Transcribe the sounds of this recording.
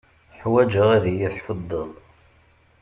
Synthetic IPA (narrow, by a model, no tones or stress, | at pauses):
ħwæd͡ʒəʁæðijiθħəd̪ˤːəðˤ